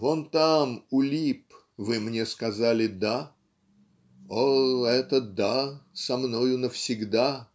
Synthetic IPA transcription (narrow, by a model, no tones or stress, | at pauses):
vont̪amʊlʲip | vɨmnʲeskɐzalʲɪd̪a | oɛt̪əd̪asɐmnojʊnəfsʲɪɡd̪a